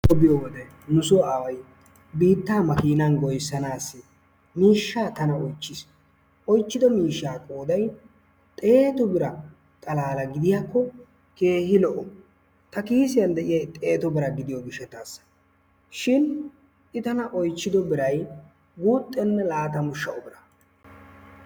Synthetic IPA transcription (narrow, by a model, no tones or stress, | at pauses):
ɔbɪjɔwɔd̪ɛ | nʊsɔaːwɐj | biːt̪ːaːmɐkiːnɐnɡɔjsːɐnaːsːɪ | miːʃːaːt̪ɐnɐɔjt͡ʃːɪs | ʔɔjt͡ʃːɪd̪ɔmiːʃːaːkʼoːd̪ɐj | t̪ʼe̞ːt̪ɔbɪɾɐ | t̪ʼɐlaːlɐɡɪd̪ɪjaːkːɔ | ke̞ːhɪlɔʔɔ | t̪ɐkiːsɪjɐnd̪ɛʔɪjɐjt̪ʼeːt̪ɔbɪɾɐɡɪd̪ɪjɔɡɪʃɛt̪aːs | ʃɪn | ʔɪt̪ɐnɐʔɔjt͡ʃːɪd̪ɔbɪɾɐj | ɡuːt̪ʼːɛnːɛlaːt̪ɐmʊʃːɐʔɔbɪɾɐ̥